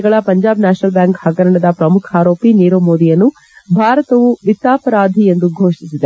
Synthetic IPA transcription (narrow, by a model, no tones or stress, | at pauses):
ɡɐɭɐpɐɲd͡ʒaːbnaːt͡ʃnɐlbjaːŋkhɐɡɐɾɐɳɐd̪ɐpɾɐmukʰaːɾoːpiniːɾoːmoːd̪ijɐnːu | bʱaːɾɐt̪ɐʋuʋit̪ːaːpɐɾaːd̪ʱie̞nd̪uɡʱoːʂisid̪e